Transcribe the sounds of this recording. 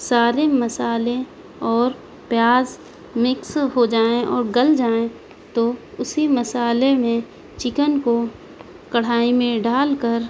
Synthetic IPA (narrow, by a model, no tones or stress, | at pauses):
saːɾeməsaːle | ɔːɾ | pjaːz | mɪksɦod͡ʒaːẽʔɔːɾɡəld͡ʒaːẽ | t̪oʊsiməsaːlemẽ | t͡ʃɪkənko | kɐɽ̤aːimẽɖaːlkəɾ